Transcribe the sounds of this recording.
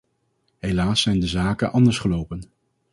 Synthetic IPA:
ɦejlaːsɛjndəzaːkənʔɑndəɹsχəlowpən

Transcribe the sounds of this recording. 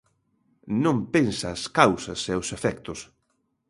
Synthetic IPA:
nõmpensaːskawsɐseʊsefɛkt̪ʊs

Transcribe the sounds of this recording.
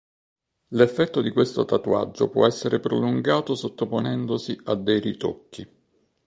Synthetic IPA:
lefːɛt̪ːod̪ikwest̪ot̪at̪ua̰d͡ʒːo̰pwɔ̰ɛsːeɾʔepɾoluŋɡaːt̪osot̪ːoponɛnd̪osiad̪ːɛjrit̪o̰kːi

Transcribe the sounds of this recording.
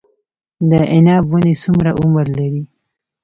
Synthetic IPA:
d̪əʔɪnɑbwunesumɾaʔʊmɾlaɾi

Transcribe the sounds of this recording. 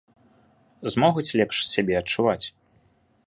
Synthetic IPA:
zmɔɣut͡sʲlʲɛpʂsʲabʲɛɐt͡ʂːuvat͡sʲ

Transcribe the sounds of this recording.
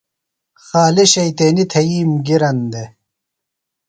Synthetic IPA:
xaːliɕɐjt̪eːnit̪ʰɐiːmɡiɾɐnd̪e

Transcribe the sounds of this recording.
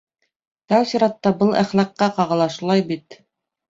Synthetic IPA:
t̪ɑwsiɾɑt̪ːɑbɤlˠʔæ̰χlɑqːɑqɑʁɤ̆lˠɑʃulˠɑjbit̪

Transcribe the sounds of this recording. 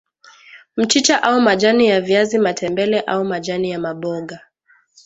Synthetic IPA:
m̩t͡ʃit͡ʃaʔaumaʄanijaviazimatʰɛmbɛlɛʔaumaʄanijamaɓɔɠa

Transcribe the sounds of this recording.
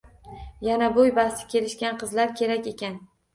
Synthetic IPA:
janabojbasɪ̥kʲʰe̞lɪʃkʲanqɨzlaɾkʲʰe̞ɾakʲe̞kʲʰan

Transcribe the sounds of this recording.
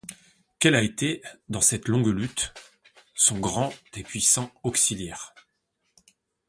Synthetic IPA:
kɛlaet̪ed̪ɑ̃sɛt̪lɔ̃ɡlyt̪ | sɔ̃ɡʁɑ̃d̪̥epɥisɑ̃ɔksiljɛʁ

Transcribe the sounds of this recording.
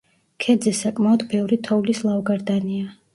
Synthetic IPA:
kʰɛd̪zɛsakʼmaɔd̪bɛvɾit̪ʰɔvlislˠavɔɡaɾd̪ania

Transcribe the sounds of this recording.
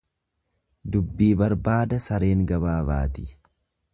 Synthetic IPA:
d̪ʊbːiːbɐɾbaːd̪ɐsɐɾe̞ːŋɡɐbaːba̰ːt̪ɪ̥

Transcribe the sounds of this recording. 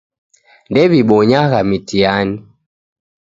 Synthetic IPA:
ndɛβiɓɔɲaɣamitiani

